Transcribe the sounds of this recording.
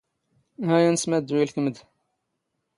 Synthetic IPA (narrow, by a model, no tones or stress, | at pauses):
hæjænəsmæd̪wilkəməd̪